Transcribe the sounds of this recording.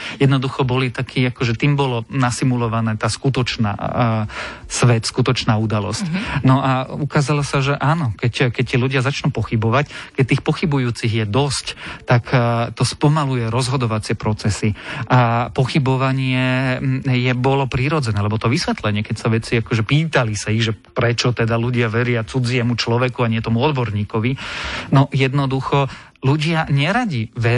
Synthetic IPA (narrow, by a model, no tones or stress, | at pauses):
jɛd̪nɔd̪uxɔbɔlit̪akʰiːakɔʒɛt̪iːmbɔlɔnasimulɔʋanɛːt̪aːskut̪ɔt͡ʃna̰ː | sʋɛt̪skut̪ɔt͡ʃnaːud̪alɔ̰scnɔʔaukaːzalɔsaʒɛʔaːnɔkɛckɛct̪iːluɟɪazat͡ʃnuːpɔxibɔʋackɛc̚t̪iːxpɔxibujuːt͡siɣjɛd̪ɔsct̪akt̪ɔspɔmalujɛɾɔzɦɔd̪ɔʋat͡sɪɛpɾɔt͡sɛsiʔapɔxibɔʋaɲɪɛ | jɛbɔlɔpɾiɾɔd͡zɛnɛːlɛbɔt̪ɔʋisʋɛt̪lɛɲɪɛkɛcsaʋɛt͡siakɔʒɛpiːt̪alisaiɣʒɛpɾɛt͡ʃɔt̪ɛd̪aluɟɪaʋɛɾɪat͡sud͡ziɛmut͡ʃlɔʋɛkuaɲɪɛt̪ɔmuɔd̪bɔɾɲiːkɔʋinɔjɛd̪nɔd̪uxɔluɟɪaɲɛɾaɟiʋɛ